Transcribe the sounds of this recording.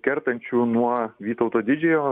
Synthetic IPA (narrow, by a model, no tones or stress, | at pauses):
kʲɛɾt̪ɐnʲt͡ʃʲuːnuɔʋʲiːt̪ɐʊt̪oːd̪ʲɪd͡ʒʲɛjoː